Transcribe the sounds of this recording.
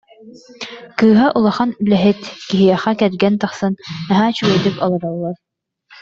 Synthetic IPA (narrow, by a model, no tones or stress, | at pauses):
kɯːɦaʔulˠɐχanylɛɦit̪kiɦijɛχakɛlɡɛnt̪aχsɯnːaɦaːt͡ɕyɡɛɾd̪ypɔlˠɔɾɔlˠːaɾ